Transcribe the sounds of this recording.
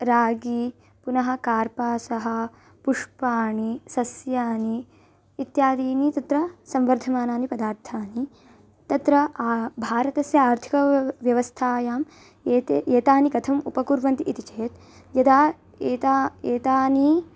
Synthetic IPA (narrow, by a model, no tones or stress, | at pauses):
ɾaːɡi | punɐɦɐ̆kaːɾpaːsɐɦɐ̆ | puʂpaːɳisɐsjaːniː | t̪jaːd̪iːnit̪ɐt̪ɾɐsɐmʋɐɾd̪ʱɐmaːnaːnipɐd̪aːɾt̪ʰaːni | t̪ɐt̪ɾɐbʱaːɾɐt̪ɐsjɐaːɾt̪ʰi̥kɐʋjɐʋɐst̪ʰaːjaːm | t̪eːt̪aːnikɐt̪ʰɐmupɐkuɾʋɐnt̪iʔit̪it͡ʃeːt̪̚ | jɐd̪aː | eːt̪aeːt̪aːni